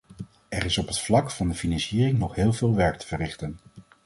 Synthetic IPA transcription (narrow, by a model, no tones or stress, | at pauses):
ɛrɪsɔpɦətflɑkfɑndəfinɑnsiːrɪŋnɔχɦɪːlˠveːlˠʋɛɹk̚tə̥v̥ərɪχtən